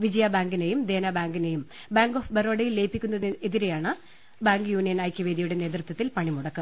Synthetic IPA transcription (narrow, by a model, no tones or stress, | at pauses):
ʋid͡ʑɐjabaːŋɡinejumd̪e̞ːnɐbaːŋɡine̞jum | baːŋɡoːfberoːɽɐjilːeːpːikʲːunːɐeðiɾejaːɳɨ | baːŋɡjuːnijɐnɐjkʲːɐʋeːd̪iɐjuɽe̞ne̞ːt̪rɨt̪ːɐt̪ːilpɐɳimuɽɐkːɨm